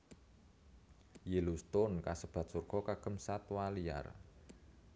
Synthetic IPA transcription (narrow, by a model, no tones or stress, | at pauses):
jelust̪ʊnkasəb̥a̤t̪̚surɡ̥ɔkaɡ̥ə̤msat̪walija̰r